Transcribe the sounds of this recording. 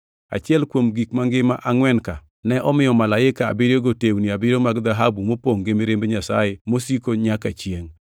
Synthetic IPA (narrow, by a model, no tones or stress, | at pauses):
a̰t͡ʃɪɛlkwomɡikmaŋɡɪma̰ʔaŋwɛnka | nɛʔɔmɪjɔmalaɪkaa̰bɪɾjoɡotewniabɪɾomaɡd̪aɦabumopoŋɡemeɾembeɲasa̰jemosikoɲakat͡ʃjeŋ